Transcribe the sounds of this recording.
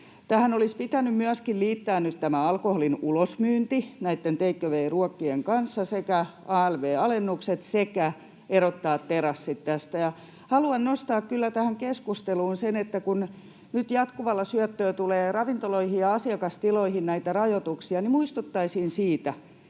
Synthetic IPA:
t̪æhænolispit̪ænymmyæskilliːt̪ːæːnnyt̪t̪æmæɑlkoholinulosmyːnt̪inæit̪ːent̪eikːøʋeːruɑkːieŋkɑnsːɑsekæ | ɑːælʋeːɑlenːukset̪sekæ | eɾot̪ːɑːt̪teɾɑsːit̪tæst̪æjɑ | hɑluɑnnost̪ɑːkkylːæt̪æhæŋkeskust̪eluːnsenet̪ːækun | nyt̪jɑt̪kuʋɑlːɑsyœt̪ːøːt̪uleːrɑʋint̪oloihijjɑɑsiɑkɑst̪iloihinnæit̪ærɑjot̪uksiɑnimuist̪ut̪ːɑisiːnsiːt̪æ

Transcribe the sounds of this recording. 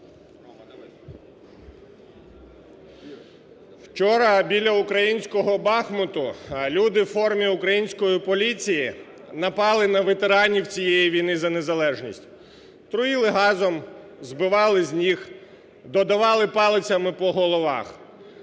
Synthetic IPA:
wt͡ʃɔɾɐbʲilʲɐukɾɐjinʲsʲkɔɦɔbɑxmɔt̪ʊlʲud̪ɪwfɔrmʲiʊkɾɐjinʲsʲkɔjipɔlʲit͡sʲiji | nɐpɑlˠɪnɐʋet̪eɾɑnʲiwt͡sʲijɛjiʋʲijnɪzɐne̞zɐlˠɛʒnʲisʲtʲ | t̪ɾʊjilˠɪɦɑzɔm | zbɪʋɑlˠɪzʲnʲix | d̪ɔd̪ɐʋɑlˠɪpɑlˠɪt͡sʲɐmɪpɔɦɔlˠɔʋɑ̰x

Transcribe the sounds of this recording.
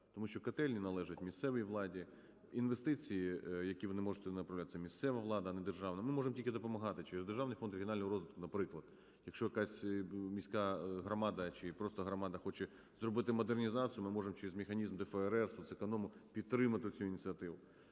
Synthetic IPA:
t̪ɔmuʃt͡ʃɔkɐt̪ɛlʲnʲinɐlˠɛʒɐtʲmʲist̪sɛʋɪjiʋlˠɑdʲi | inʋest̪ɪt͡sʲijijɐkʲiʋɔnɪmɔʐɪt̪ɛnɐpɾɐwlʲat̪ɪ̥sɛmʲist̪sɛʋɐʋlˠɑd̪ɐɐnɛd̪erʐɑʋnɐmɪmɔʐemtʲilkʲɪd̪ɔpɔmɐɦɑt̪ɪt͡ʃɪɾɪzd̪erʒɑʋnɪjfɔnd̪ɾɪinɑlʲnɔɦɔɾɔzʋɪt̪kʊnɐpɾɪklˠɐd̪̥ | jɐkʃt͡ʃɔjɐkɑsʲmʲisʲkɑɦɾɐmɑd̪ɐt͡ʃɪpɾɔst̪ɐɦɾɔmɑd̪ɐxɔt͡ʃɛ | zrɔbɪt̪ɪmɔd̪ernʲizɑt͡sʲijʊmɪmɔʐemt͡ʃeɾɪzʲmʲɪxɐnʲizmd̪ɛfɛɛɾɛrsɐsɪkɐnɔmʊpʲidt̪t̪ːɾɪmɐt̪ɪʊt͡sʲuinʲt͡s̪ʲiɐt̪ɪʋʊ

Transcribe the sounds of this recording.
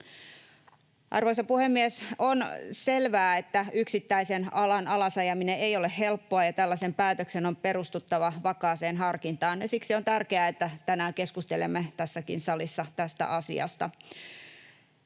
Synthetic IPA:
ʔɑ̰rʋoisɑpuhemːiesonselʋæːet̪ːæyksit̪ːæisenɑlɑnɑlɑsɑjɑmineejolehhe̞lpːoɑjɑt̪ælːæsempæːt̪øksenompe̞rust̪ut̪ːɑʋɑʋɑkɑːseːnɦɑrkint̪ɑːnjɑsiksiont̪ærkeæet̪ːæt̪ænæːkeskust̪elḛmːet̪æsːækḭnsɑlisːɑt̪æst̪æ̰ʔɑsḭɑ̰st̪ɑ̰

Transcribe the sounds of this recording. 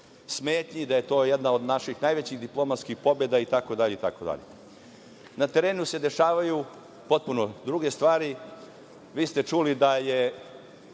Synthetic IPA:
sme̞ːt̪ɲid̪aje̞t̪o̞ːjed̪naod̪naʃixnajʋet͡ɕiɣd̪iplˠo̞mat̪skixpo̞bed̪ait̪ako̞d̪aʎeit̪ako̞d̪a̰ʎḛ | nat̪e̞ɾeːnuse̞d̪e̞ʃaːʋaju | po̞t̪̚punod̪ɾuɡe̞st̪ʋaːɾi | ʋiːst̪e̞t͡ʃulid̪aje

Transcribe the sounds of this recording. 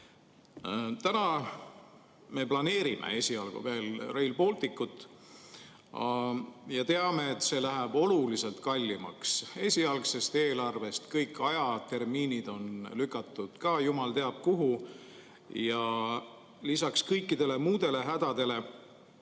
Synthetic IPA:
t̪ænɑ | me̞plɑne̞ːɾimʔḛe̞sʲiɑlɡ̥ṵve̞ːlrejlpo̞ːlt̪ikːut̪ːˑ | jɑt̪e̞ɑme̞ːt̪ːˑse̞læɦæb̥o̞lulise̞lt̪kɑlʲːimɑ̰kse̞sʲiɑlkse̞st̪e̞ːlɑrve̞st̪kɤjkːˑɑjɑt̪e̞rmiːnid̪̥o̞nlykːˑɑt̪ːˑud̪̥kɑːjumɑlt̪e̞ɑb̥̚kuɦu | jɑ | lisɑkskɤjkːid̪̥e̞le̞muːd̪̥e̞le̞ɦæd̪̥ɑd̪̥e̞le̞

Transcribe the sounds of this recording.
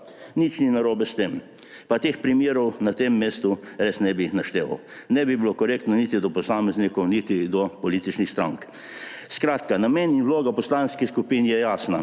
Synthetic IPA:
nit͡ʃninaɾoːbɛst̪em | pat̪eːxpɾimjeːɾɔwnat̪emːeːst̪u | ɾeːsnɛbinaʃt̪eːʋa̰w | nɛbibilokɔɾeːkt̪nɔnit̪id̪ɔpɔsaːmɛznikɔwnit̪id̪ɔpɔliːt̪it͡ʃnixst̪ɾa̰ŋk | skɾaːt̪kanameninwloːɡapɔslaːnskiskupinjɛjaːsna

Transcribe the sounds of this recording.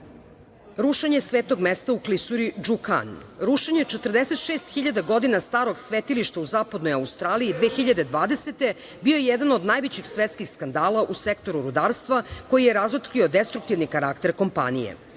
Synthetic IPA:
ɾuʃeɲe̞sʋeːt̪o̞ɡmest̪auklisuɾid͡ʒuka̰nɾuʃeɲet͡ʃet̪ərd̪eset̪ʃeːst̪xiʎad̪aɡo̞d̪inast̪aːɾo̞ɡsʋet̪iliʃt̪auzaːpad̪no̞jaust̪ɾaːliid̪ʋeːxiʎad̪e̞d̪ʋaːd̪e̞set̪e̞ | bio̞jejɛd̪anod̪najʋet͡ɕixsʋet̪skixskand̪aːlaʔusekt̪o̞ɾuɾud̪aːɾst̪ʋako̞jijeɾazot̪kliod̪est̪ɾukt̪iʋnikaɾakt̪e̞ɾko̞mpa̰nḭjḛ

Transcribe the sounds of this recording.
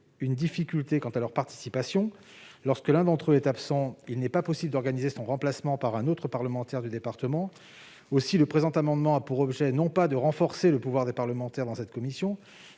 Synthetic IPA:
ynd̪ifikʲylt̪ekɑ̃t̪alœʁpaʁt̪i̥sipasjɔ̃ | lɔʁskəlɛ̃d̪ɑ̃t̪χøɛt̪apsɑ̃ilnɛpapɔsibləd̪ɔʁɡanizesɔ̃ʁɑ̃plasmɑ̃paʁɛ̃not̪χəpaʁləmɑ̃t̪ɛʁd̪yd̪epaʁt̪əmɑ̃ | osiləpχezɑ̃t̪amɑ̃d̪mɑ̃apuʁɔbʒɛnɔ̃pad̪əʁɑ̃fɔʁseləpuvwaʁd̪epaʁləmɑ̃t̪ɛʁd̪ɑ̃sɛt̪kɔmisjɔ̃

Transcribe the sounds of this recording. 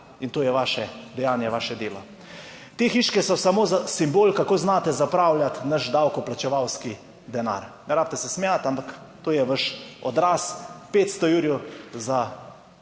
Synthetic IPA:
int̪oːjɛʋaːʃɛd̪ɛjaːnjɛʋaːʃɛd̪eːlɔ | t̪eːxiːʃkɛsɔsamoːzasimboːlkakoːznaːt̪ɛzapɾaːwlʲjat̪nɐʃd̪awkɔplat͡ʃɛʋawski | d̪ɛna̰ːɾnɛɾaːp̚t̪ɛsɛsmɛjat̪ampak | t̪oːjɛʋəʃɔd̪ɾaːspeːt̪st̪ɔjuɾjuza

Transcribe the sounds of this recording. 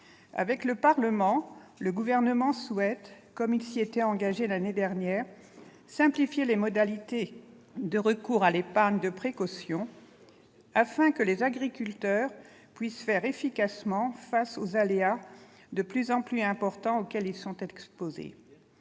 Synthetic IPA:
a̰vɛkləpaʁləmɑ̃ləɡuvɛʁnəmɑ̃swɛt̪ | kɔmilsiet̪ɛɑ̃ɡaʒelaned̪ɛʁnjɛːʁ | sɛ̃plifjelemɔd̪alit̪e | d̪əʁəkuʁalepaʁɲd̪əpχekɔsjɔ̃ | afɛ̃kəlezaɡʁikʲylt̪œʁ | pɥisfɛʁefikasmɑ̃fasozalea | d̪əplyzɑ̃plyɛ̃pɔʁt̪ɑ̃okʲɛlilsɔ̃t̪ɛkspozḛ

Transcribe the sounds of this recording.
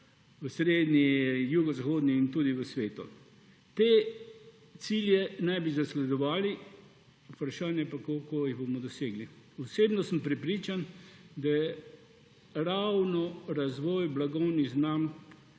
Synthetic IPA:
ʋəsɾeːd̪nijuɡɔzaxoːd̪niːnt̪uːd̪iʋəsʋeːt̪ṵ | t̪eː | t̪siːljɛnɛjbizaslɛd̪ɔʋaːli | upɾaʃaːnjɛpakolkojiɣbomɔd̪ɔseːɡli | ɔseːbnɔsəmpɾɛpɾiːt͡ʃand̪ajɛ | ɾawnɔɾazʋɔːjblaɡɔwniɣznamk

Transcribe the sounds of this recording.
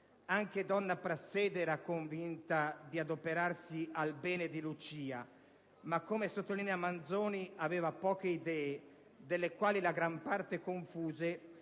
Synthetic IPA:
aŋked̪ɔnːapɾasːɛːd̪eɛːɾakoɱvint̪ad̪iad̪opeɾarsialbɛːned̪ilut͡ʃiːa̰ | makːomesot̪ːolinɛamand̪zoːniavɛːvapɔːk̟eid̪ɛːe | d̪elːekwaːlilaɡɾampart̪ekoɱfuːze

